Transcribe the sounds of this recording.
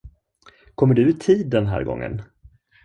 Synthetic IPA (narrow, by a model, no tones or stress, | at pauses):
kʰɔmːəɖɵɪt̪ʰiːd̪ːɛnɦæ̰ːɾɡɔ̰ŋːə̰n